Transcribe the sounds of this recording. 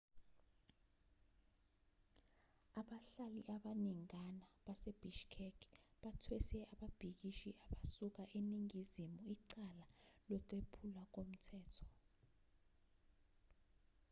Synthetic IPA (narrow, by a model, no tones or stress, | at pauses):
aɓaɬaliʔaɓaniŋanaɓaseb̥iʃkʰɛkʰɓatʰwɛsɛaɓab̥ʱik̬iʃiaɓasuk̬aʔeniŋizimuiǀalalɛǃepʰulak̬om̩tʰɛːtʰɔ̥